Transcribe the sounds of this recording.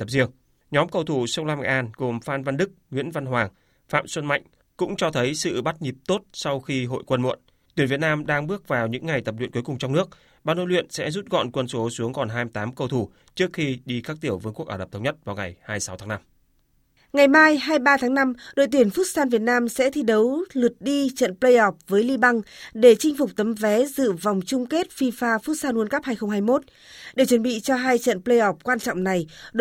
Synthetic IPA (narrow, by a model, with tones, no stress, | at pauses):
t̪ə˨˩p̚zi˧əŋ | ɲɔ˨˦mkə˧˩wt̪ʰu˧˩sə˧wlaː˧ma̰˧˩ʔaː˧nɣo˨˩mfaː˧nva˧nɗɨ˦˥k̚ŋwḭ˧˥ənva˧nɦwaː˨˩ŋ | fa̰ː˧˨mswə˧nma̰˧˨jŋ̟ | kʊ̰˧˥ŋ͡mt͡ɕɔ˧t̪ʰə˨˦jsɨ̰˧˨ɓa˦˥t̚ɲi˨˩p̚t̪o˦˥t̚sa˧wxi˧ɦo̰˧˨jkwə˧nmṵ˧˨ən | t̪wi˧˩ənvi˨˩ət̚naː˧mɗaː˧ŋɓɨ˦˥ək̚vaː˨˩wɲɨ̰˧˥ŋːa˨˩jt̪ə˨˩p̚lḭ˧˨nkjkʊ˨˩ŋ͡mt͡ɕɔ˧wŋ͡mnɨ˦˥ək̚ | ɓaː˧˩no̰˧˨lwḭ˧˨ənsɛ̰˧˥zu˦˥t̚ɣɔ̰˧˨nkwə˧nso˨˦su˨˦əŋkɔ˨˩nɦaː˧jmt̪aː˨˦mkə˧wt̪ʰu˧˩ | t͡ɕɨ˦˥əkxi˧ɗi˧kaː˦˥k̚t̪i˧˩əwvəː˨˦ku˦˥ək̚aː˧˩˨ə˨˩p̚t̪ʰə˧wŋ͡mɲə˦˥t̚vaː˨˩wŋa˨˩jhaː˧jsa˨˦wt̪ʰaː˨˦ŋna˧m | ŋa˨˩jmaː˧jɦaː˧jɓaː˧t̪ʰaː˨˦ŋna˧mɗo̰˧˨jt̪i˧˩ənfʊ˦˥t̚saː˧nvi˨˩ət̚naː˧msɛ̰˧˥t̪ʰi˧ɗə˨˦wlɨ˨˩ət̚ɗi˧t͡ɕə̰˧˨nplə˧jʔɔ˨˩p̚vəː˨˦jli˧ɓa˧ŋɗe˧˩t͡ɕï˧ŋ̟fʊ˨˩k͡p̚t̪ə˨˦mvɛ˨˦zɨ̰˧˨va˨˩wŋ͡mt͡ɕʊ˧ŋ͡mke˦˥t̚fi˧faː˧fu˦˥t̚saː˧nʔu˨˦ənka˦˥p̚haː˧jxə˧ŋ͡mɦaː˧jmo˦˥t̚ | ɗe˧˩t͡ɕə˨˩nɓḭ˧˨t͡ɕɔ˧ɦaː˧jt͡ɕə̰˧˨nplə˧jʔɔ˨˩p̚kwaː˧nt͡ɕɔ̰˧˨ŋ͡mna˨˩jɗ